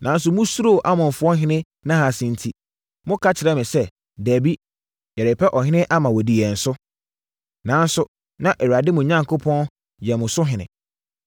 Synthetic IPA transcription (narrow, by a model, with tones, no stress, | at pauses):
nã˨n˦s̬ʊ˨mʊ̃˦su˦ɾo˦˨ʔa˦mʊ̃˨fʊ˦ɔ˦ɦɪ̃˦nɪ̃˦ | nã˦ɦa˨sɪ̃˨n̩˨tʰi˨ | mʊ̃˦kʰa˦t͡ɕʰɪ˨ɾɛ˦mɪ̃˨sɛ˦ | dæ˨bi˦ | jɛ˨ɾɪ˨pʰɛ˦ʔɔ˨ɦɪ̃˦nɪ̃˦ʔa˦mã˨wɔ˨di˨jɛ˨n̩˨sʊ˦ | nã˨˦n˦sʊ˨ | nã˦ʔɛ˨ɥa˨dɪ˦mʊ̃˨ɲã˦ŋkʰo˦pʰɔ̃˦n | jɛ˨mʊ̃˨sʊ˦ɦɪ̃˨nɪ̃˨